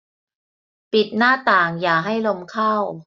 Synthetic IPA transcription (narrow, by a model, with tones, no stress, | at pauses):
pi˨˩t̪̚naː˥˩t̪aː˨˩ŋjaː˨˩ɦa˥˩jlo˧mkʰaː˥˩w